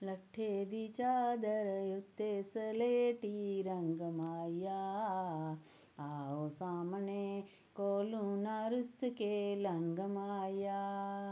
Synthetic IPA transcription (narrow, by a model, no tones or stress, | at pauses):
lɐʈʰːeːd̪it͡ʃaːd̪ɐɾɐjut̪ːesɐleːʈiɾɐŋɡɐmaːjaː | aosaːmne | koːlunaːɾuskelɐŋɡɐmaːjaː